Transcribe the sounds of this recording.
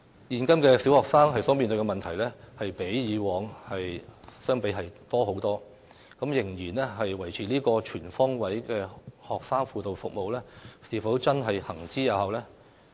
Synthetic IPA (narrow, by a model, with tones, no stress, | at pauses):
jiː˨˧nkɐ˥mkɛː˧si˨˥whɔː˨ksaː˥ŋɦɐ˨jsɔː˨˥mi˨˧nt̪ɵ˧kɛː˧mɐ˨nt̪ʰɐ˨˩jlɛː˥hɐ˨jpe˨˥jjiː˨˧wɔː˨˧ŋhɐ˨jsœː˥ŋpe˨˥jɦɐ˨jt̪ɔː˥ɦo˨˥wt̪ɔː˥ | kɐ˨˥mjɪ˨˩ŋjiː˨˩nlɛ˥ɦɐ˨jwɐ˨˩jt͡sʰiː˨˥liː˥kɔː˧t͡ʃʰyː˨˩nfɔː˥ŋwɐ˨˥jkɛː˧hɔː˨k̚saː˥ŋfuː˧t̪o˨˧wfʊ˨k̚mo˨wlɛː˥siː˨˧fɐ˨˥wt͡sɐ˥nɦɐ˨jhɐ˨˩ŋt͡siː˥ja˨˧whɐ˨wlɛː˥